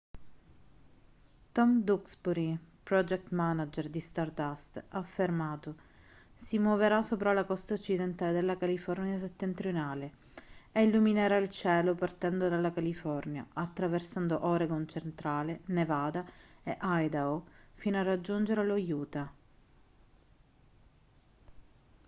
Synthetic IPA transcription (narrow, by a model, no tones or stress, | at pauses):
t̪ɔmd̪uksbuɾipɾɔd͡ʒɛk̚t̪manad͡ʒerd̪ist̪art̪ast̪afːermaːt̪o | simwoveɾasːopɾalakɔst̪aot͡ʃːid̪ent̪aːled̪elːakalifɔrnjaset̪ːent̪ɾijonaːle | eilːumineɾailt͡ʃɛːlopart̪ɛnd̪od̪alːakalifɔrnja̰at̪ːɾaversand̪oʔɔɾeɡont͡ʃent̪ɾaːlenevaːd̪aeʔajd̪aofinoarːad͡ʒːund͡ʒeɾelojuːt̪a